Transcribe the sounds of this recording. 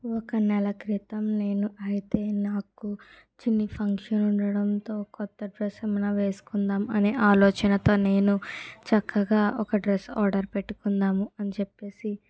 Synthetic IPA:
ɔkɐnɛlɐkɾit̪ɐmne̞ːnuʔɐjit̪e̞ːnaːku | t͡ʃinːipʰɐŋkʂɐnuɳɖɐɽɐnt̪o̞ːkɔt̪ːɐɖɾesɐmɐnɐʋe̞ːsu̥kund̪aːmɐneːʔaːlɔːt͡ʃɐnɐt̪o̞ːne̞ːnut͡ʃɐkʰːɐɡaːɔkɐɖɾesɔːɾɖɐɾpeʈːu̥kund̪aːmuɐnit͡ʃepːe̞ːsi

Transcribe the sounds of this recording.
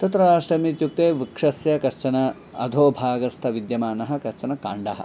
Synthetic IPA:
t̪ɐt̪ɾɐɾaːʂʈɾɐmit̪juk̚t̪eːʋikʂɐsjɐkɐɾt͡ʃɐnɐ | ɐ̰d̪ʱoːbʱaːɡɐst̪ʰɐʋid̪jɐmaːnɐɦɐ̆kɐɾt͡ʃɐnɐkaːɳɖɐɦɐ̰

